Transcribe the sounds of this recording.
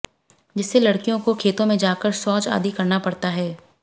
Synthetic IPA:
d͡ʒɪsːelɐɽkijõkokʰeːt̪õmẽd͡ʒaːkəɾsɔːt͡ʃa̰ːd̪ikɐɾnapɐɽt̪aɦɛː

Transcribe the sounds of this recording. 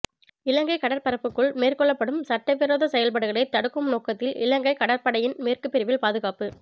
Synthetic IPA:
ɪlɐŋɡɐɪkɐɽɐɾpɐɾɐpːɯkːɯɭmeːrkɔɭːɐpːɐɽɯmsɐʈːɐʋɪɾoːðɐsɛjɐlpɐɽɯɣɐɭɐɪt̪ɐɽɯkːɯmnoːkːɐt̪ːɪlɪlɐŋɡɐɪkɐɽɐɾpɐɽɐjɪnmeːrkɯpːɪɾɪʋɪlpaːðɯɣaːpɯ

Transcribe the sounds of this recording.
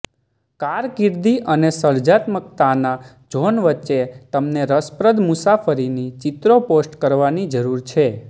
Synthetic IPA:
kaɾkɪɾd̪iʔənesəɾd͡ʒat̪mək̚t̪ana | d͡ʒonʋətːt͡ʃːet̪əmneɾəspɾəd̪ʱmusafəɾinit͡ʃɪt̪ɾoposʈkəɾʋanid͡ʒəɾuɾt͡ʃʰe

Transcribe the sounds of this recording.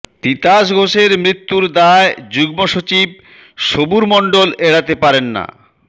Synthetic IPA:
t̪it̪aʃ̬ɡʱoʃeɾmɾit̪ːuɾd̪aed͡ʑuɡmoʃot͡ɕib̚ | ʃobuɾmɔɳɖoleɽat̪epaɾenːa̰

